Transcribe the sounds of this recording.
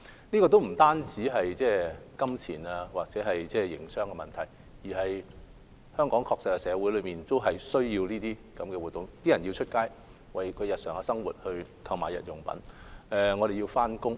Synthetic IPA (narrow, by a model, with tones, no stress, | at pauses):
niː˥kɔː˧t̪o˥wm̩˨˩t̪aː˥nt͡siː˨˥ɦɐ˨jt͡sɛː˥kɐ˥mt͡sʰḭː˨˩naː˧waː˨k̚t͡sɛː˨˥ɦɐ˨jt͡sɛː˥˩jɪ̰˨˩ŋsœː˥ŋkɛː˧mɐ̰˨˩nt̪ʰɐ˨˩j | jiː˨˩ɦɐ˨j | hœː˥ŋkɔː˨˥ŋkʰɔː˧k̚sɪ˨˥kːɛ˧sɛː˨˧wu˨˥jlɵ˨˧ɥmiː˨nt̪o˥wɦɐ˨jsɵ˥ɥjiː˧wniː˥t̪iː˥kɐ˨˥mkɛː˧wuː˨t̚t̪ːʊ˨ŋt̪iː˥jɐ˨˩nji˧wt͡ʃʰɵ˥t̚kaː˥j | wɐ˨jkʰɵ˨˧ɥjɐ˨t̚sœː˨˩ŋɐ˧sɐ˥ŋwṵ˨t̚hɵ˧ɥk̪ʰɐ˧wmaː˨˩jɐ̰˨t̚jʊ˨˩ŋpɐ̰˨˥nɛ˧ŋɔː˨˧ɾe˨jiː˧wfaː˥nkʊ˥ŋ